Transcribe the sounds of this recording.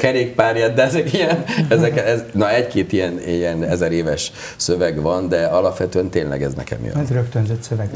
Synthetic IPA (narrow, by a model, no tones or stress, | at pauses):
kɛɾeːk̚paːɾjɛd̪ːɛɛzɛkijɛnɛzɛkɛɛznɒɛckeːt̪ijɛniɛnɛzɛɾeːvɛʃ | søvɛɡʋɒnd̪ɛɒlɒpʋɛt̪øɛnt̪eːnlɛ̰ɡɛ̰znɛ̰kɛ̰mḭo̰zɾøkt̪ønzøt̪søvɛɡ